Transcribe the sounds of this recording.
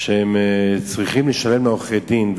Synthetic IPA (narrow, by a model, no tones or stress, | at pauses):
ʃehɛmt͡sʁiχimləʃalemoχedimv